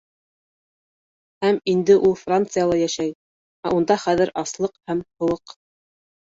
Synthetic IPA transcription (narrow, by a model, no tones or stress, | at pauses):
hæmind̪ɘʔulˠfrant̪sɨjalˠɑjæʃæj | æʔund̪ɑχæðɘɾʔɑslˠɤqhæmhŏlˠɤq